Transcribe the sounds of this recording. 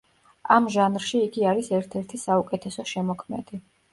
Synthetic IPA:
amʒanɾʃiːɡiaɾisɛɾt̪ʰɛɾt̪ʰisaukʼɛt̪ʰɛsɔʃɛmɔkʰmɛ̰d̪̥i

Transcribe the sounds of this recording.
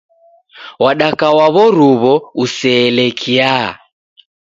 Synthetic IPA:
waɗakawaβɔɾuβɔusɛːlɛkʰia

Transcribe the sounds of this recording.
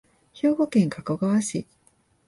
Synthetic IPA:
ço̞ːɡo̞kẽ̞ŋkakoɡaβaɕi

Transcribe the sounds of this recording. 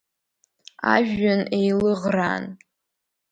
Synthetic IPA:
a̰ʒᶣːanejlɨʁra̰n

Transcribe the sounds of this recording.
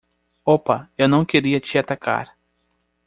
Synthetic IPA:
opɐewnɐ̃w̃keɾiɐt͡ʃɪat̪aka̰ɾ

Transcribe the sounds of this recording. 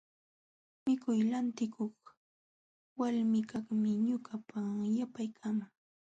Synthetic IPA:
mɪkʊjlant̪ɪkʰoχ | walmɪkaχmɪɲʊkapajapajkʰamaŋ

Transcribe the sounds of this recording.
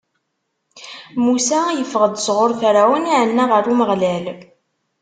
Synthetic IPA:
musæjəfəʁəd̪zʁoɾθɾæwəniʕənːaʁəɾˤuməʁlæl

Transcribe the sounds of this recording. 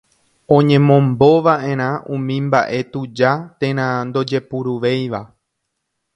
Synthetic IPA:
õ̞ɲẽ̞mõmbo̞ʋaʔẽ̞ɾ̃ãʔũmĩmba̰ʔe̞t̪ud͡ʒat̪ẽ̞ɾ̃ãnd̪o̞d͡ʒe̞puɾuʋe̞jʋa

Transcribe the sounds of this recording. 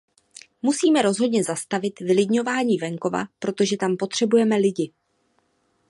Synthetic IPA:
musiːmɛɾo̞zɦo̞d̪ɲɛzast̪avɪt̪vɪlɪdɲo̞vaːɲiːvɛŋko̞va̰pɾo̞t̪o̞ʒɛt̪ampo̞t̪r̝̥ɛbujɛmɛlɪɟɪ

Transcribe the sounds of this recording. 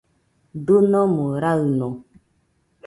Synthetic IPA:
donɔmoɾalnɔ

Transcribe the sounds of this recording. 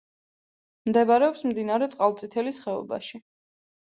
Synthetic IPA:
md̪ɛbaɾɛɔpsmd̪inaɾɛt̪sʼqʼalˠt̪sʼit̪ʰɛlisχɛɔ̰ba̰ʃi

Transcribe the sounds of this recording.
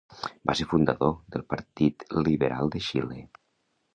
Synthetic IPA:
baseɾfund̪əðoðəlˠpəɾt̪it̪liβəɾalˠd̪əʃilḛ

